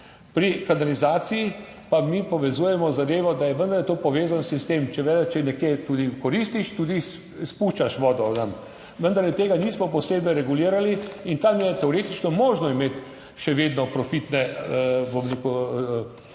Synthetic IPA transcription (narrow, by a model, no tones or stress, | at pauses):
pɾikanalizaːsiji | pamipɔʋɛzuːjɛmɔzad̪eːʋɔd̪ajɛʋənd̪əɾlɛt̪oːpɔʋeːzansist̪eːmt͡ʃɛʋed̪at͡ʃɛnɛkjet̪ud̪ikɔɾist̪iʃt̪ud̪is | spuʃt͡ʃaʃʋɔːd̪ɔnam | ʋənd̪aɾlɛt̪eːɡaniːsmɔpɔseːbɛjɾɛɡuliːɾaliint̪amjɛt̪ɛɔɾeːt̪it͡ʃnɔmoːʒnɔimeːt̪ | ʃɛʋed̪nɔpɾɔfit̪nɛbomɾeːku